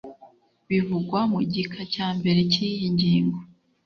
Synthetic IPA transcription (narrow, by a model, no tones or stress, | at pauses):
βivuɡwamuɟikʰacaːmbe̞ɾe̞cijiɲɟiːŋɡo